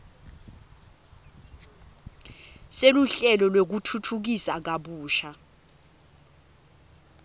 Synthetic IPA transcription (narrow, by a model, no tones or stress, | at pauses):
seluɬɛlɔlwek̬utʰutʰuk̬isak̬aɓuːʃa